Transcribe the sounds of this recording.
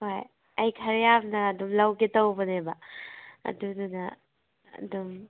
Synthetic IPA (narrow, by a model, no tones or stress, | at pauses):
hoj | ɐjkʰɐɾjabnɐːdumlawketawbɐnebɐɐ̰dudunɐ̰ː | dum